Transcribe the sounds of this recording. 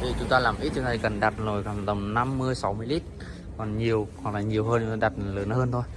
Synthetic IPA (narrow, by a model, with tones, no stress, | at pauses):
t̪ʰi˧˩t͡ɕʊ˨˦ŋ͡mt̪aː˧laː˨˩mʔi˦˥t̚t͡ɕt̪a˧˩kə˨˩nɗa˨˩t̚zo˨˩jka˨˧˩t̪ə˨˧˩ŋ͡mna˧mːɨ˧əjsa˨˦wmɨ˧əjli˦˥t̚ | kɔ˨˩nɲi˨˩əwhɔ˨˩k̚la̰ː˨˩jɲi˨˩əwhɦəː˧nt͡ɕŋ͡mt̪aː˧ɗa˨˩t̚ləː˨˦nhəː˧nt̪ʰo˧j